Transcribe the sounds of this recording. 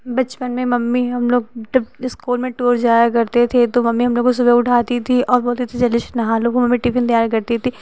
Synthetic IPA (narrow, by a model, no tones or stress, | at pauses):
bɐt͡ʃpənmẽmɐmːiɦɐmloːɡ̚d͡ʒɐbɪskoːlmẽʈoːɾd͡ʒaːjakɐɾt̪et̪ʰet̪omɐmːiɦɐmloːɡ̚kos̬ʊbɛʊʈʰaːt̪it̪ʰiɔːɾboːlt̪it̪ʰed͡ʒɐlɪʃnɐɦaloːkomɐmːiʈiːfʰɪnt̪ɐjaːɾkɐɾt̪it̪iː